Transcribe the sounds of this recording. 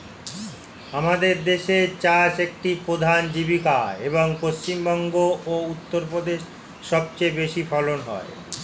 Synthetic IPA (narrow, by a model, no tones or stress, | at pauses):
amad̪eɾd̪eʃet͡ɕaʃek̚ʈipɾod̪ʱand͡ʑibikaeboŋpost͡ɕimbɔŋɡoout̪ːoɾpɾod̪eʃː | ɔb̚t͡ɕejbeʃifɔlonɦɔ̰e